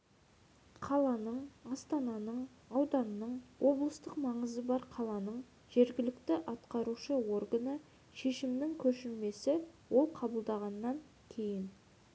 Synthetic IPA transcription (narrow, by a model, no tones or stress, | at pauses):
qʰɑlˠɑnəɴɑst̪ɑnɑnəɴ | ɑwd̪ɑnənəɴwʔo̞blˠəst̪əqmɑɴəzəbɑɾqʰɑlˠɑnəɴ | ʒ̥e̞ɾɡʲɪlɪkt̪ɪʔɑt̪qɑɾuʃəwo̞rɡənə | ʃe̞ʃɪmnɪŋkʲʰɵʃɪlme̞sɪwo̞lˠqʰɑbəlˠd̪ɑʁɑnːɑŋ | kʲʰe̞jɪn